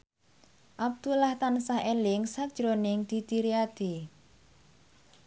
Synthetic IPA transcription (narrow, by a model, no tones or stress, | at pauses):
ʔab̚d̪̥ulaht̪ansahelɪŋsad̥ʒ̥ɾonɪŋd̪̥i̤t̪iɾiad̪̥e̤